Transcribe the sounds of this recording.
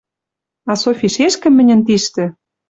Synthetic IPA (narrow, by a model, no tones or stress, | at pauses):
ɑsofʲiʃeʃkə̆mːɘ̆nʲə̆nt̪iʃt̪ɘ̆